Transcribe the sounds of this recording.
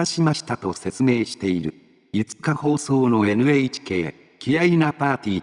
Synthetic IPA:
aɕimaɕi̥t̪at̪o̞se̞t͡sɨme̞ːɕi̥t̪e̞iɾɯ̟ | jɯ̟t͡sɨ̥kaho̞ːso̞ːno̞e̞nɯ̟eit͡ɕi̥ke̞ː | kʲijainapaːt̪ʲiː

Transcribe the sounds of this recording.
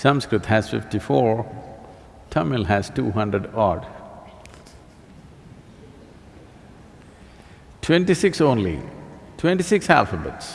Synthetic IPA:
sʌ̃mskɾɨt̪hæz̥fɪ̰fʈifɔɹ | tʰʌmɪlɦæz̥tuːɦʌ̃ndɾəɖɑɹɖ | tʰwɛ̃nʈisɪksõʊnlḭtʰwɛ̃ntisɪksæ̰lfəbə̰ts

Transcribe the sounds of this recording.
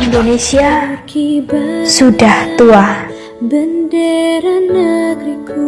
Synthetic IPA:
indonesiakibasudaht̪uah | bəndəɾanəɡɾiku

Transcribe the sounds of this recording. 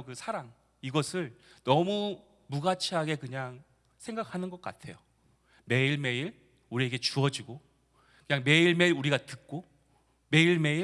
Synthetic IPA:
kɯsʰaɾaŋ | iɡʌsʰɯɭ | nʌmu | muɡat͡ɕʰiɦaɡe̞kɯɲaŋ | sʰe̞ŋɡakʰanɯnɡʌk̚k͈a̰tʰe̞jo | me̞iɭme̞iɭ | uɾie̞ɡe̞t͡ɕuʌd͡ʑiɡo | kɯɲaŋme̞iɭme̞iɾuɾiɡatɯk̚k͈o | me̞iɭme̞i

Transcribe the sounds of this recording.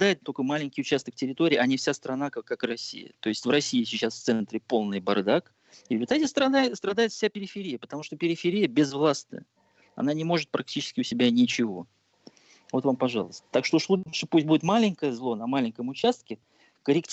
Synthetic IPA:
d̪ajɪt̪̚t̪ːokojmalʲɪnʲkʲɪjʊt͡ɕæst̪əkftʲɪɾʲɪt̪oɾʲɪːʔɐnʲɪfsʲast̪ɾɐnakakːakrɐsʲːḭjə̰t̪o̞ɪsʲtʲvrɐsʲːijɪsʲɪt͡ɕasft̪sɛnt̪ɾʲɪpo̞lˠnɨjbɐrd̪ak | ɪvvʲɪt̪aɛt̪ʲəst̪ɐast̪ɾɐd̪ajɪt̪fsʲapʲɪɾʲɪfʲɪɾʲijəpə̥t̪ɐmuʂt̪o̞pʲɪɾʲɪfʲɪɾʲijəbʲɪzvlˠast̪nə̰jə | ɐ̰nanʲɪmo̞ʐɨt̪̚pɾɐk̚tʲit͡ɕɪ̥skʲɪʊsʲɪbʲanʲɪt͡ɕɪvo̞̰ | vot̪vampɐʐɑ̰lˠəst̪ə̥t̪akʂt̪oʂlˠuʂəpusʲt̚ʲbudʲɪt̪malʲɪnʲkəjəzlˠo̞nɐmalʲɪnʲkəmʊt͡ɕast̪̚kʲɪ | kəɾʲɪktʲ

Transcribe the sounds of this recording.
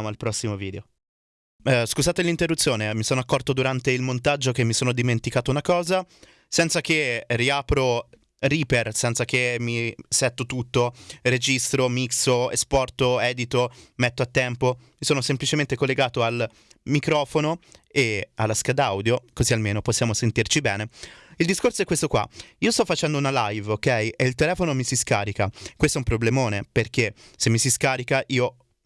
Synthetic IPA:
moalpɾɔsːimoviːd̪eo | skuzaːt̪elint̪erːut̪sːjoːnemisoːnoakːɔrt̪od̪uɾant̪eilmont̪ad͡ʒːok̟emːisoːnod̪iment̪ikaːt̪ounakɔːza | sɛnt̪sak̟erːiaːpɾo | riːpersɛnt̪sak̟emisɛt̪ːot̪ut̪ːored͡ʒist̪ɾomiksoḛspɔrt̪oɛːd̪it̪omɛt̪ːoat̪ːɛmpomisoːnosemplit͡ʃement̪ekolːeɡaːt̪oal | mikɾɔːfonoealːaskad̪awd̪jokozialmeːnoposːjaːmosent̪irt͡ʃibɛːneild̪iskorsoɛkːwest̪okwa̰iːost̪ɔfːat͡ʃɛnd̪ounalajvokɛjʔeilt̪elɛːfonomisiskaːɾikakwest̪oɛumpɾoblemoːneperkesemːisiskaːɾikaʔiːo

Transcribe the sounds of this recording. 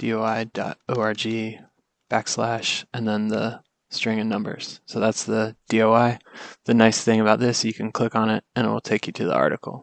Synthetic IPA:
d̥ḭoʊaɪd̥ɑ̰ɾoʊɑɹd͡ʒi | b̥ækslæʃɨ̃nðə̃nðə | stɹ̥ɪ̃ŋɨ̃nʌ̃mbə̰˞z̥soʊðætsðɨd̥ioʊaɪðɨnaɪsθɪ̃ŋɨβaʊt̪̚ðɪsjɨkʰn̩kʰl̥ɪkn̩ɪt̚ɨ̃nɨ̰w̰l̩ˠtʰeɪkjɨɾɨðḭɑ̰ɹɾɨkl̩ˠ

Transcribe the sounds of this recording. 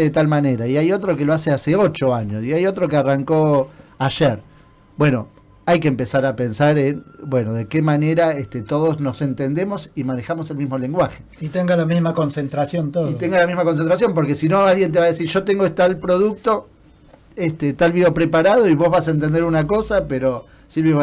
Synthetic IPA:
ðet̪almane̞ɾaiajo̞t̪ɾo̞keloaseaseo̞t͡ʃo̞aɲosiajo̞t̪ɾo̞kearaŋko̞aʒeɾ | bwe̞no̞ | ajkeːmpesaɾapensaɾenbwe̞no̞ðekemane̞ɾaest̪et̪o̞ð̞ozno̞sent̪end̪e̞mo̞simanexamo̞selmizmole̞ŋɡwaxeit̪eŋɡalamizmakonsent̪ɾasjont̪oðit̪eŋɡalamizmako̞nsent̪ɾasjo̞mp̬o̞ɾkesino̞alɣjent̪e̞βaðesiɾʒo̞t̪eŋɡoet̪alpɾo̞ðuk̚t̪o̞ | est̪et̪alβiopɾepaɾaðo̞iβo̞zβasaent̪end̪eɾunako̞sapeɾo̞ | silβjoβ

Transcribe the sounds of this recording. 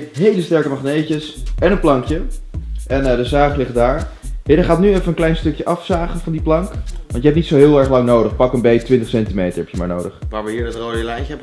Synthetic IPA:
ɦejləstɛɹkəmɑχnejcəsɛnənplɑŋkjəʔɛndəzaːχlɪχdaːɹɦɪdəχaːtnyɛfənənklɛjnstɵkjəʔɑfsaːχənvɑndiplɑŋkʋɑntjəɛp̚nitsowɦɪːlˠɛɹχlɑŋnowdəχpɑkənbejtʋɪntəχsɛntimejtəɹɦɛpjəmaːɹnowdəχʋaːɹmɛjədɑtroːjəlɛjəɛp

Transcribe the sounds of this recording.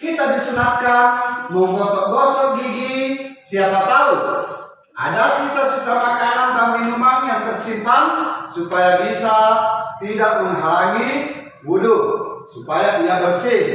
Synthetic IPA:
kit̪adisunat̪kanmɔkɔsɔʔɡɔsɔɡiɡisiapat̪au | ʔa̰dasisasisamakanant̪ampiimaŋjaŋt̪ɛrsimpaŋsupajabisat̪idaʔ̚munɦalaŋi | buduk̚supajadiabərse

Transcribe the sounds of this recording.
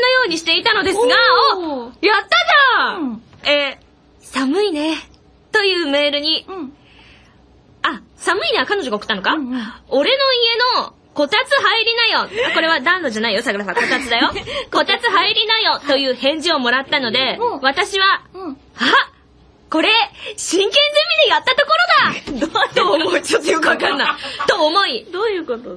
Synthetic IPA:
nojo̞ːɲ̟iɕi̥t̪e̞it̪ano̞d̪e̞sɨɡa | jat̪ːad̪a | e | samɯ̟ine̞ | t̪o̞jɯ̟ːme̞ːɾɯ̟ɲ̟i | asamɯ̟ineakano̞ʑo̞ɡaokɯ̟̥t̪ːanokao̞ɾe̞no̞ie̞no̞ | ko̞t̪at͡sɨɦaiɾʲinajo̞ko̞ɾe̞βad̪ãnːo̞ʑanaijo̞saɡɯ̟ɾasako̞t̪at͡sɨd̪ajo̞ko̞t̪at͡sɨɦaiɾʲinajo̞t̪o̞jɯ̟ːhẽ̞ɲ̟d͡ʑio̞mo̞ɾat̪ːano̞d̪e̞βat̪aɕiβa | ha | ko̞ɾe̞ɕĩŋkẽ̞nzẽmːʲid̪e̞jat̪ːat̪o̞ko̞ɾo̞d̪at̪omoit͡ɕot̪ːojo̞kɯβakãnːait̪o̞ːmo̞id̪ojɯkot̪o

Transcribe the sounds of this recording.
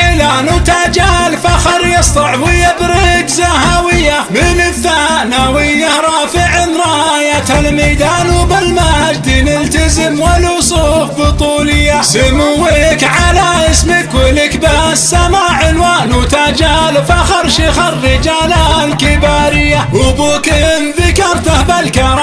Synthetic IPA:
ʔɪlanut̪ad͡ʒaːlfaxɑɾˤjɪsˤt̪ˤɑʕwɪjːabɾɪkzahawɪjːamɪnɪθːanawɪjːaɾˤɑːfɪʕɪnɾˤɑajat̪almajd̪aːnubɪlmahad͡ʒd̪inɪlt̪azɪmwalʊsˤufbɨt̪ˤuːlɪjːasɪmʊwɪkʕalaʔɪsmɪkwɪlɪkbasːamaːʕɪnwaːnut̪ad͡ʒaːlfaxɑɾˤʃixɑrːɪd͡ʒaːlalkɪbaːɾɪjːawʊbukɪmfikɑɾˤt̪ahbalkɑɾˤɑ

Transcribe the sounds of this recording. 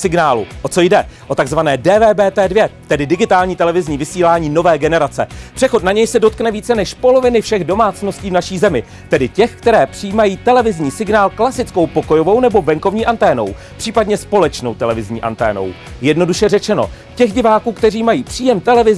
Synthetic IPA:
sɪɡnaːlṵʔo̞t͡so̞jdɛʔo̞t̪aɡzvanɛːdɛːvɛːbɛːt̪ɛːdvjɛt̪ɛdɪdɪɡɪt̪aːlɲiːt̪ɛlɛvɪzɲiːvɪsiːlaːɲiːno̞vɛːɡɛnɛɾat͡sɛ̰pr̥ɛxo̞t̪naɲɛjsɛdo̞t̪̚knɛviːt͡sɛnɛʃpo̞lo̞vɪnɪfʃɛɣdo̞maːt͡sno̞sciːvnaʃiːzɛmɪ | t̪ɛdɪcɛxkt̪ɛɾɛːpr̥ɪjiːmajiːt̪ɛlɛvɪzɲiːsɪɡnaːlklasɪt͡sko̞wpo̞kojo̞vo̞wnɛbo̞vɛŋko̞vɲiːʔant̪ɛːno̞̰w | pr̥iːpadɲɛspo̞lɛt͡ʃno̞̰wt̪ɛlɛvɪzɲḭːʔa̰nt̪ɛ̰ːno̞̰w | jɛdno̞duʃɛrɛt͡ʃɛno̞̰ | cɛɣɟɪvaːkuːkt̪ɛriːmajiːpr̥iːjɛmt̪ɛlɛvɪz

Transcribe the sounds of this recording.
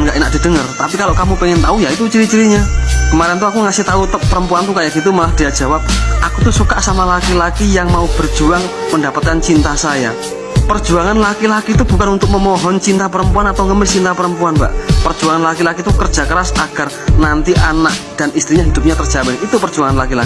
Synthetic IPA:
nŋɡaʔenaʔ̚d̥i̤dəŋərt̪apikaloʔkamupɛŋɪnt̪aujait̪ut͡ʃiɾit͡ʃiɾiɲakəmaɾɛnt̪̬uakuŋasɪht̪aut̪əpːəɾəmpuant̪ukajaʔɡit̪umalahd̥iad͡ʒawap̚ʔakut̪usukaʔsamalakilakijaŋmaub̥ərd͡ʒuaŋ | məndapat̪̚kant͡ʃint̪asaja | pərd͡ʒuaŋanlakilakit̪ub̥ukanunt̪ʊk̚məmɔɦɔnt͡ʃint̪apəɾəmpuanat̪awŋəmɪst͡ʃint̪apəɾəmpuanba̰ʔpərd͡ʒuaŋanlakilakit̪ukər̥d͡ʒ̥akəɾasaɡ̥ar | nant̪iʔanak̚d̥anist̪ɾiɲaɦidʊp̚ɲat̪ər̥d͡ʒ̥abɛnit̪upərd͡ʒuaŋanlakilak

